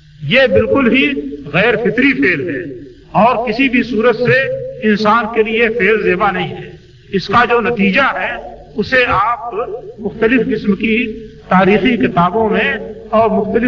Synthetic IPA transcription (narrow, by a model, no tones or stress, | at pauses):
jebɪlkʊlɦiɣɛːɾpʰɪt̪ɾipʰeːlɦɛ̰ | ɔːɾkɪsibʱisuːɾət̪seɪnsaːnkeliefʰeːlzeːbanɐɦĩɦɛ | ɪskad͡ʒoːnɐt̪iːd͡ʒaɦɛ | ʊseaːp̚mʊxt̪əlɪfkɪsmkit̪aːɾiːxikɪt̪aːbõmẽɔːɾmʊxt̪əlɪ